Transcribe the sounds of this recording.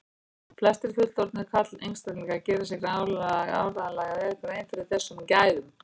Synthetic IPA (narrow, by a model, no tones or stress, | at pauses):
flɛst̪ɪɾ̥fʏl̥t̪ɔɾt̪nɪ̥kʰat̪lejnst̪at̪lɛɣacɛːɾasɪɣɾaːwllaða̰ːwɾaðanlaːɣaðɛɾɪkʰɾejnfɪɾɪɾ̥θɛsːʏmcaːjðʏm